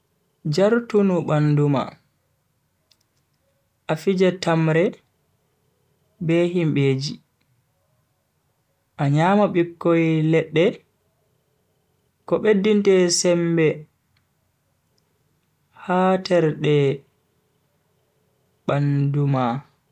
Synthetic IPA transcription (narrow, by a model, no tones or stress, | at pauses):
d͡ʒaɾtunuɓanduma̰ | ʔafid͡ʒɛtamɾɛ | bɛhimɓeːd͡ʒi | ʔaɲaːmaɓikːojlɛɗːɛ | kɔɓedːintɛsɛmbɛ | hatɛɾɗɛ | ɓanduma